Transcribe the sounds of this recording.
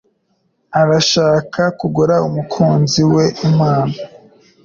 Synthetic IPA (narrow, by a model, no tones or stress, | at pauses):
aɾaʃaːkʰakuɡuɾaumukʰuːnziwe̞ʔimaːna